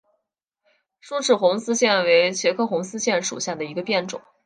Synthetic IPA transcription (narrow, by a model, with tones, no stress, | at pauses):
ʂu˥˧ʈ͡ʂʰɻ̩˥˩xʊ˧˥ŋsɹ̩˥ɕjɛ˥˩nwe˧˥ɪt͡ɕʰjɛ˧˥kʰɤ˥˩xʊ˧˥ŋsɹ̩˥ɕjɛ˥˩nʂṵ˨˩ɕja˥˩d̪ə˩i˧˥ɡə˧pjɛ˥˩nʈ͡ʂʊ̰˨˩˦ŋ